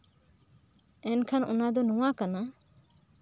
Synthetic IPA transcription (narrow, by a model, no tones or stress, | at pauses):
ɛnkʰanṵnad̪ɔnɔwakana